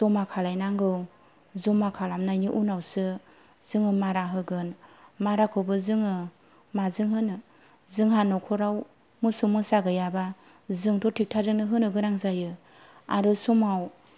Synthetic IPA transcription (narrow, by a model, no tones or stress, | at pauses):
zɔmakʰalajnaŋɡɯw | zɔmakʰalamnajniʔunawsɯ | z̥ɯŋɯmaɾaɦɯɡɯnmaɾakʰɯbɯzɯŋɯ | mazɯŋɦɯnɯ | zɯŋɦanɔkʰɔɾaw | mɯsumɯsaɡɯjaba | zɯŋtʰɔtʰik̚tʰazɯŋnɯɦɯnɯɡɯnaŋzajɯ | aɾɯsumaw